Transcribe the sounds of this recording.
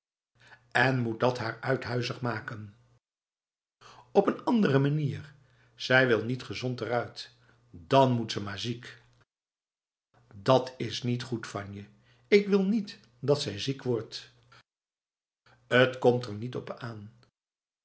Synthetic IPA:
ɛnmut̚dɑtɦaːɹœɥtɦœɥzəχmaːkən | ɔpənɑndərəmaniːr | z̥ɛjʋɪlˠnitχəzɔntɛrœɥt | d̥ɑnmutsəmaːɹzik | dɑtʰɪsnitχutfɑnjə | ɪkʋɪlˠnit | dɑtsɛjzikʋɔɹt | ətkɔmtəɹnitɔpaːn

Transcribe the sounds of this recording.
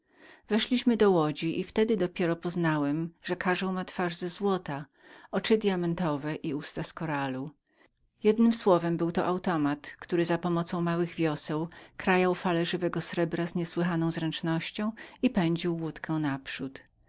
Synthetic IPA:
vɛʂlʲiɕmɘd̪ɔwɔd͡ʑiʔift̪ɛd̪ɘd̪ɔpʲjɛɾɔpɔznawɛmʐ̥ɛkʰaʐɔ̃w̃mat̪faʐzɛzwɔt̪a | ɔt͡ʂɘd̪ʲjamɛnt̪ɔvɛʔiust̪askɔɾalu | jɛd̪nɘmswɔvɛmbɘwt̪ɔʔawt̪ɔmat̪kt̪uɾɘzapɔmɔt̪sɔ̃w̃mawɘɣvʲjɔsɛwkɾajawfalɛʐɘvɛɡɔsɾɛbɾazɲɛswɘxanɔ̃zɾɛnt͡ʂnɔɕt͡ɕɔ̃w̃ipɛɲd͡ʑiwːut̪kʰɛw̃napʂut̪

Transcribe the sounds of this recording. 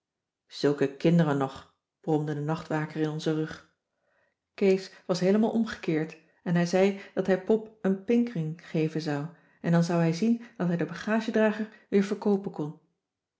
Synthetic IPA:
z̥ɵlˠkəkɪndərənːɔχ | b̥rɔmdədənɑχtʋaːkərɪnɔnzərɵχ | kejsʋɑsɦejləmaːlˠʔɔmχə̥kɪːɹt | ɛnɦɛjzɛjd̥ɑtɦɛjpɔpənpɪŋkrɪŋχejvənzɑw | ɛndɑnzʌwɦɛjzind̥ɑtɦɛjdəbɑχaːʒədraːχəɹʋɪːɹvəɹkowpənkɔn

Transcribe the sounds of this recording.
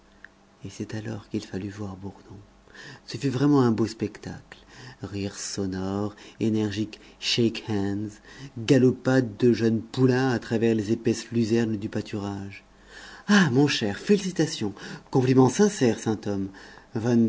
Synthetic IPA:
esɛt̪alɔ̰ʁkilfalyvwaʁbuʁnɔ̃ | səfyvʁɛmɑ̃ɛ̃bospɛkt̪aklʁiʁsɔnɔʁenɛʁʒik | ʃekhɛ̃nzɡalɔpad̪̚ːəʒənpulɛ̃at̪χavɛʁlezepɛslyzɛʁnd̪ypat̪ʰyʁaʒ | amɔ̃ʃɛʁfelisit̪asjɔ̃kɔ̃plimɑ̃sɛ̃sɛʁsɛ̃t̪ɔmvan

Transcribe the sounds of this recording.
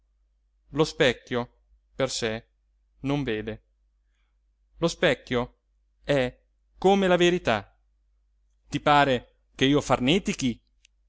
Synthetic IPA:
lospɛkːjo | perse | noɱveːd̪e | lospɛkːjo | ɛ | kːomelaveɾit̪a | t̪ipaːɾe | keiːofarnet̪ik̟i

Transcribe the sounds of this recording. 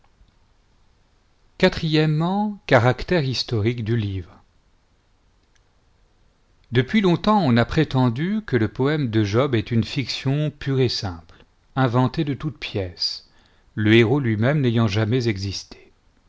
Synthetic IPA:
kat̪χijɛmːɑ̃kaʁakt̪ɛʁist̪ɔʁikd̪ylivʁ | d̪əpɥilɔ̃t̪ɑ̃ɔ̃napχet̪ɑ̃d̪ykələpɔɛmd̪əʒɔbɛt̪ynfiksjɔ̃pyʁesɛ̃pl | ɛ̃vɑ̃t̪ed̪ət̪ut̪pjɛs | ləeʁolɥimɛmnejɑ̃ʒamɛzɛɡzist̪ʰe̥

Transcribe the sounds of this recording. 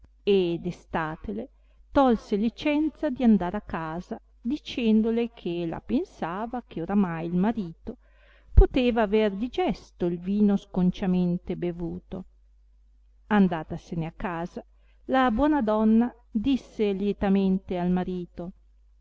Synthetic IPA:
ed̪est̪aːt̪ele | t̪ɔlselit͡ʃɛnt̪sad̪iand̪aːɾakːaːza | d̪it͡ʃɛnd̪olekʰela̰pensaːvak̟ʰeoɾamajilmaɾiːt̪o | pot̪eːvaːverd̪id͡ʒɛst̪oilviːnoskont͡ʃament̪ebevuːt̪o | and̪aːt̪aseneakːaːza | labwɔːnad̪ɔnːa | d̪isːeljɛt̪ament̪ealmaɾiːt̪o

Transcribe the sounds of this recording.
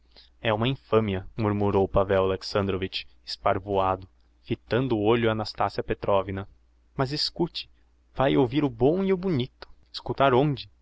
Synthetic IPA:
ɛũmɐĩfɐ̃miɐmuɾmuɾowpavɛwaleksɐ̃nd̪ɾovit͡ʃe̥spaɾvoad̪ʊ | fit̪ɐ̃nd̪ʊːoʎʊanast̪asiɐpet̪ɾʔɔvinɐ | mɐzɪskut͡ʃɪ̥ | vajowviɾʊbõw̃iʊbunit̪ʊ̥ | ɪ̥skut̪aɾõd͡ʒɪ

